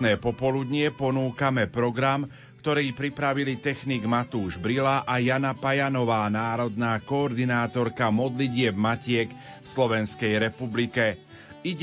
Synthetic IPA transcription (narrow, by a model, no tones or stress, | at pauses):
nɛːpɔpɔlud̪ɲɪɛpɔnuːkamɛpɾɔɡɾam | kt̪ɔɾiːpɾipɾaʋilit̪ɛxniːɡmat̪uːʒbɾilaʔajanapajanɔʋaːnaːɾɔd̪naːkɔːɾd̪inaːt̪ɔɾkamɔd̪liɟɪɛbmacɪɛk | fslɔʋɛnskɛjɾɛpublikɛ | iɟ